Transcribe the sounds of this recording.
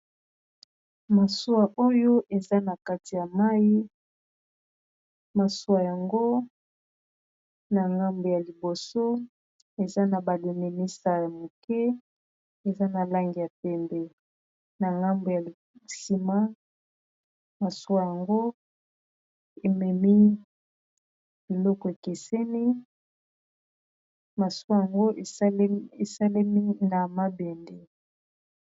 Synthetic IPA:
ma˨su˦wa˨ʔo˦jo˦ʔe˨za˦na˨ka˦ti˨ja˨ma˦ji˦ | ma˨su˦a˨ja˨ŋɡo˦ | na˨ŋɡa˦mbo˨ja˨li˨bo˨so˦ | e˨za˦na˨ba˨le˨me˨mi˦sa˨ja˨mo˨kɛ˦ | e˨za˦na˨la˦ŋɡi˨ja˨pɛ˦mbɛ˦ | na˨ŋɡa˦mbo˨ja˨ | si˨ma˦ | ma˨su˦a˦ja˨ŋɡo˦ | e˨mɛ˨mi˦ | b̥i˨lɔ˦kɔ˨e˨ke˨sɛ˦ni˦ | ma˨su˦a˦ja˨ŋɡo˦˨˦e˨sa˦le˦mi˦na˨ma˦bɛ˨ndɛ˨

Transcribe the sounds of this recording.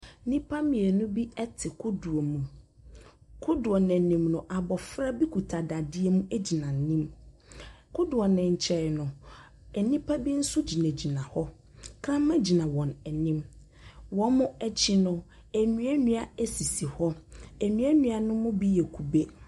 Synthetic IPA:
nĩ˦pʰa˦mĩ˨e˨nʊ̃˦bi˦ɛ˦tʰɪ˨kʰʊ˦du˨o˨mũ˨ | kʰʊ˦dʊ˨ɔ˨nɛ̃˨nĩ˨mnʊ̃˨ʔa˨bɔ˨fɾa˦bi˦kʰu˨tʰa˨da˨dɪ˦e˦mũ˦ʔæ˦d͡ʑi˨nã˨n̩˨˦nĩ˦m | kʰʊ˦dʊ˨ɔ˨nɪ̃˨ɲ̩˨t͡ɕʰɛ˨ɾnʊ̃˨ | ɛ˨nĩ˦pʰa˦bi˦n̩˦sʊ˦d͡ʑi˨næ̃˨d͡ʑi˨nã˨hɔ˦ | kʰɾã˦mã˦d͡ʑi˨nã˨wɔ̃˨nɛ˨nĩ˦m | wɔ˦mʊ̃˦ɛ˦t͡ɕʰi˦nʊ̃˦ | æ˨nɥ̃æ˦nũ˦a˨æ˦si˨si˨hɔ˦æ˨nɥ̃æ˦nũ˨a˨nʊ̃˦mʊ̃˦bi˦jɛ˨kʰu˨be˦

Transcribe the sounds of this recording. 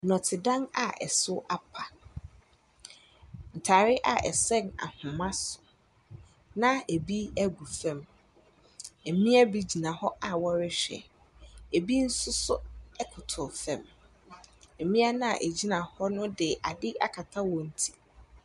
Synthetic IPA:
nɔ̃˨tʰɪ˨dã˦na˨ɛ̰˨sʊ˦ʔa˨pʰa˨ | n̩˨tʰaː˨ɾɪ˦ʔa̰˨ʔɛ̰˨sɛ̃˦na̰˨hʊ̃˨mã˦sʊ̥˨ | nã˦e˨bi˦æ˦ɡu˨fɛ̃˨m | e˨mĩ˦æ˦bi˦d͡ʑi˨nã˨hɔ˦ʔa˨wɔ˦ɾɪ˦ɕᶣɛ̰˨ | e˨bi˦n̩˦sʊ˦sʊ˦ɛ˦kʰʊ˨tʰʊ˨fɛ̰̃˨m | e˨mĩ˦a˦nã˦a˨ʔe˨d͡ʑi˦nã˨hɔ˦nʊ̃˦dɪ˨ʔa˨dɪ˦ʔa˦kʰa˨tʰa˦wɔ̃˨n̩˨tʰi̥˨

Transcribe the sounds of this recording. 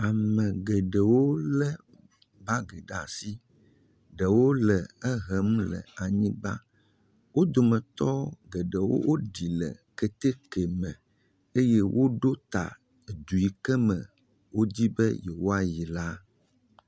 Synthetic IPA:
a˨mɛ̃˨ɡɛ˨ɖɛ˨wo˦lɛ˦ | ba˦ɡɛ˨ɖa̰˨si˦ | ɖɛ˨wo˦lɛ˨ɛ˦ɦɛ˨˦m˦lɛ̰˨a˨ɲĩ˦ba̰˦ | wo˦d̪o˨mɛ̃˨t̪ɔ˦ɡɛ˨ɖɛ˨wo̰˦wʔo˦ɖi˨lɛ̰˨kɛ˨t̪e˦kɛ˨mɛ̃˨ | e˦jɛ˦wʔo˦ɖo˦t̪a̰˨ | d̪u˨i˨kɛ˦mɛ̰̃˨ | wo˦d͡ʑi˦bɛ̰˦jɛ˨wo˦a˨ji˨la˦

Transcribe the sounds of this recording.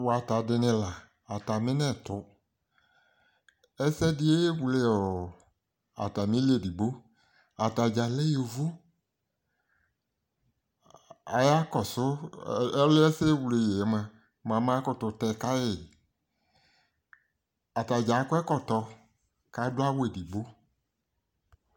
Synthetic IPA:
wɔ˨a˨ta˨dɪ˧nɪ̃˧la˨ | a˨ta˨mɪ̃˦nɛ̃˦˨tʊ˨ | ɛ˦sɛ˦dɪ˦e˦wu˨le˦ɔ˨ | a̰˨ta˨mĩ˦li˦e˦˨di˨bo˦ | a˨ta˨d͡ʒa˨lɛ˦o˨vʊ˦ | a˨ja˦kɔ˨sʊ˦ɛ˦lɪ˦ɛ˦se˦wu˨˧lɪ˨je˨ɛ˨˦mɛ˧ | m˨ã˨˦mã˦kɔ˦tʊ˧tɛ˧˨ka˦jɪ˨ | a˨ta˨d͡ʒa˨˦kɔ˦ɛ˦kɔ˦tɔ˧ | ka˨˦dʊ˦a˦wo˦e˨di˨bo˦

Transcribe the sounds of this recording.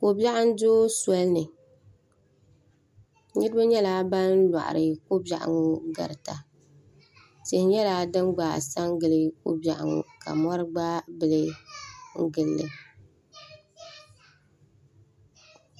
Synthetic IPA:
ko˨bja˦ʔa˦n˦doː˦sɔ˦lnɨ˨ | ɲɨ˦dɨ˦ba˦ɲɛ˦laː˦ba˦nla̰˨ʔa̰˨ɾɨ˨ko˦ba˨ʔa̰˨ŋʊ˦ɡa̰˨ɾɨ˨ta˨ | se˨hɲɛ˦la˦dɨ˦mɡ͡baː˨sa˦ŋɡɨ˨lɨ˦kʊ̰˦bja˨ʔa̰˨ŋʊ̰˨ka̰˨mɔ˦ɾɨ˦ɡ͡ba˦bɨ˨lɨ˦ŋ̩˦ɡɨ˦lːɨ˨

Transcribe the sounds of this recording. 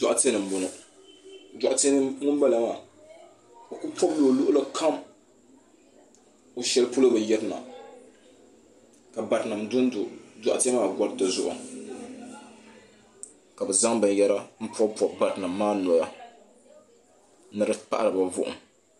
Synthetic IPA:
dɔ˨ʔa˨tɪ˦ɛ˦nɨ˨m̩˨bo˨nɨ˨ | da˨ʔa˨tn˦ŋʊ˦ba˦la˨˦ŋa˨ | o˨kʊ˦pɔ˦bloː˨lʊ˦ʔʊ˦la˦kʰa˦m | o˨ʃɛ˦lɨ˦pu˦lo˦bɛ˨jɛ˦ɾɨ˦na̰˨ | ka˨ba˨ɾna˨mdʊ˦n˦dʊ˨dɔ˨ʔa̰˨tɪ˦a˦maː˦˨ɡʷa˦ɾdɔ˨zʊ̰˦ʔʊ̰˨ | ka˨bɛ˨za˦ŋbɨ˨n˨jɛ˦ɾa˦m̩˦pɔ˦pɔ˦ba˨ɾɨ˨na˨mːaː˦nɔ˨ja˦ | nɨ˦ɾɨ˦pa̰˦ʔa̰˦˨ɾɨ˨ba˨vʊ̰˦˨ʔʊ̰˨m

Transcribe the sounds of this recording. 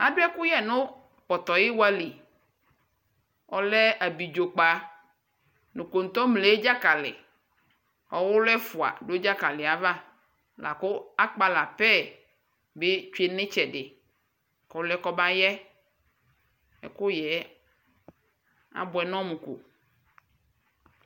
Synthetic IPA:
a˨dʊ˦ɛ˦kʊ˦jɛ˨nʊ̃˦ | pɔ˨t̪ɔ˨jɪ˦wa˦li˨ | ɔ˨lɛ˦a˨bi˨d͡ʒo˨k͡pa˨ | nũ˨ko˨n̩˨t̪ɔ˦mle˨˦d͡ʒa˦ka˨lɪ̰˨ | ɔ̰˨wʊ˦lɛ˦fʊ˨a̰˨ɖo˦d͡ʒa˦ka˨lɪ˨a˨va˦ | lʔa̰˨kʊ˦a˦k͡pa˨la˨pɛ˦˨ | be˦t͡ʃe˨nɪ̃˦t͡ʃɛ˨ɖɪ˨ | kɔ˨˦lɛ˦kɔ˦ba˦jɛ˦ | ɛ̰˨kʊ˦jɛ˨˦ | a̰˦bʊ˨ɛ˨nɔ̃˦mũ˨kṵ˨

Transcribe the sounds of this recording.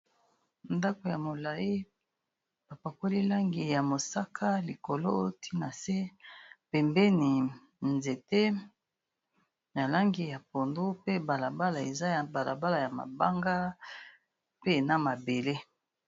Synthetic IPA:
nda˦ko˨ja˨mo˨la˨ji˦ | ba˨pa˨ko˦li˦la˦ŋɡi˨ja˨mo˨sa˦kʰa˦li˨ko˨lo˦o˦o˦tʰi˦na˨se˦pɛ˨mbɛ˦ni˨ | nze˨te˦ | na˨la˦ŋɡi˨ja˨po˨ndo˦pe˦ba˨la˨ba˦la˨e˨za˦ja˨ba˨la˨ba˦la˨ja˨ma̰˨ba˦ŋɡa˦ | pe˦˨na˦ma˨be˨le˦

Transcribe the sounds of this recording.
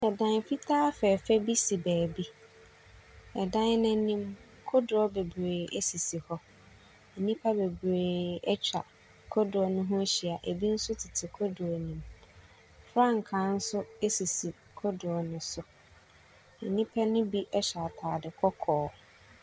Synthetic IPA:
ɛ˨dã˨n˨fi˦tʰaː˦fɛ˨fɛ˦bi˦si˨bæː˨bi˦ | ɛ˨dã˦nɪ̃˦nĩ˦m | kʰʊ˦dʊ˨ɔ˦be˨bɾeː˨ʔe˦si˨si˨hɔ˦ | n̩˨nĩ˦pʰa˦be˨bɾeː˨ɛ˦t͡ɕᶣa˨ | kʰɔ˦dʊ˨ɔ˨nʊ̃˦ɦʊ̃˦ɕi˨a˨ʔe˨bi˦n̩˦sʊ˦tʰɪ˨tʰɪ˨kʰɔ˦dʊ˨ɔ˨nĩ˨m | fɾã˦˨ŋ̩˨kʰã˨˦n̩˦sʊ˦e˦si˨si˨ | kʰɔ˦dʊ˨ɔ˨nʊ̃˦sʊ˨ | n̩˨nĩ˦pʰɛ˦nʊ̃˦bi˦ʔɛ˦ɕᶣa˨tʰaː˨dɪ˨kʰɔ˦kʰɔː˨˦

